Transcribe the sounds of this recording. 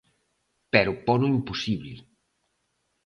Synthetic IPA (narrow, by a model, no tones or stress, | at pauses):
pɛɾʊpɔnuimpusiβli